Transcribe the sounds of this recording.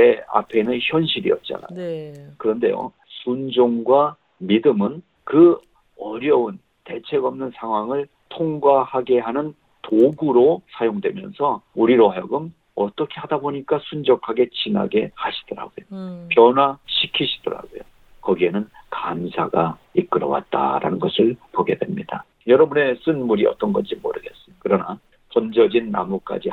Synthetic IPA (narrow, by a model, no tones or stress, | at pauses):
ea̰pʰe̞nɯnçjʌnɕʰiɾḭʌt̚t͡ɕ͈a̰na̰jokɯɾʌnde̞̰jo̰ | sʰund͡ʑoŋɡwa | midɯmɯn | kɯ | ʌɾjʌun | te̞t͡ɕʰe̞ɡʌmnɯnsʰaŋɦwaŋɯɭ | tʰoŋɡwahaɡe̞ɦanɯn | toɡuɾosʰajoŋdwe̞mjʌ̰nsʰʌuɾiɾoɦajʌɡɯm | ʌt͈ʌkʰe̞hadaboɲik͈asʰund͡ʑʌkʰaɡe̞t͡ɕina̰ɡe̞haɕʰi̥d̥ʌɾa̰ɡojopjʌnwaɕʰikʰiɕʰid̥ʌɾa̰ɡojo | kʌɡie̞nɯnkamsʰaɡaik͈ɯɾʌ̰wa̰t̚t͈a̰ɾa̰nɯnɡʌsʰɯɭpoɡe̞dwe̞mɲida | jʌɾʌbune̞s͈ɯnmuɾiʌ̰t͈ʌnɡʌnd͡ʑimo̰ɾɯɡe̞s͈ɯmjokɯɾʌna | pʌnd͡ʑʌd͡ʑinːa̰muk͈a̰d͡ʑi